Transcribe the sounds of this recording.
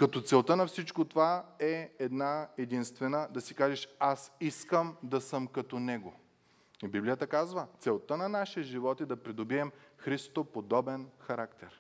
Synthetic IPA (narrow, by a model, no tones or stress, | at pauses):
kɐt̪ɔt̪sɛlˠt̪ənɐfsit͡ʃkot̪ovaɛɛd̪naɛd̪inst̪vɛnəd̪ɐsikaʒɛʃasiskəmd̪ɐsəmkɐt̪ɔnɛɡo | ibiblijət̪əkazvət̪sɛlˠt̪ənɐnaʃɛʒivɔt̪id̪ɐpɾid̪obiɛmxɾist̪t̪opod̪ɔbɛnxɐɾakt̪ɛɾ